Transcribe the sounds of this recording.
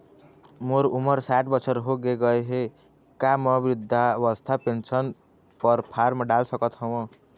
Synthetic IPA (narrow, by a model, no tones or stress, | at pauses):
moɾuməɾsaʈbʌt͡ʃʰəɾɦoɡeɡʌeɦe | kamʌbɾud̪ʱːaʋəst̪ʰapent͡ʃʰən | pəɾpʰaɾmɖalsʌkət̪ɦəwə̃